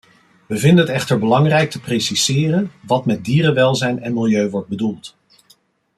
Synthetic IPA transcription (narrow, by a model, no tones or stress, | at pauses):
ʋəvɪndəɦətɛχtəɹbəlɑŋrɛjk̚təprejsiz̥ɪːrənʋɑtmɛt̚diːrənʋɛlˠzɛjnɛnmɪlˠjøɥʋɔɹd̚bədulˠt